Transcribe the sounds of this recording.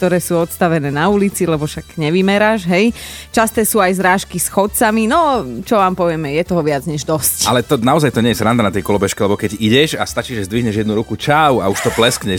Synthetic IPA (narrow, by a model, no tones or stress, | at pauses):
kkt̪ɔɾɛːsuːɔt̪st̪aʋɛnɛːnaulit͡silɛbɔʃaɡ̥ɲɛʋimɛɾaːʒɦɛjt͡ʃast̪ɛːsuːajzɾaːʃkisxɔt̪t͡saminɔt͡ʃɔʋaːmpɔʋɪɛmɛjɛt̪ɔɦɔʋɪad͡zɲɛʒd̪ɔscalɛt̪ɔnaɔzajt̪ɔɲɛjɛzɾand̪anat̪jɛkɔlɔbɛʃkɛlɛbɔkɛɟiɟɛʃast̪at͡ʃiːʒɛzd̪ʋiɦɲɛʒjɛd̪nuɾukut͡ʃawa̰uʃt̪ɔplɛskɲɛ